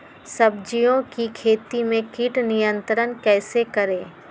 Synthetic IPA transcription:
sɐb̚d͡ʒijõkikʰeːt̪imẽkiːʈnijə̃nt̪ɾənkɛːsekɐɾẽː

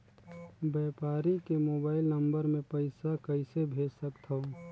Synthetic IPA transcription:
bɛːpaːɾikemoːbaːɪlnəmbəɾmẽpəɪsakəɪsebʱeːd͡ʒsəkt̪ʰəo

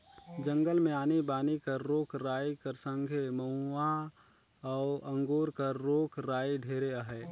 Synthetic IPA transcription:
d͡ʒə̃ŋɡəlmẽaːnibaːnikəɾːoːkʰɾaːjikəɾsə̃ŋɡʱeməa | ɔːʔə̃ŋɡoːɾkəɾːoːkʰɾaːiɖʱeːɾeəɦɛː

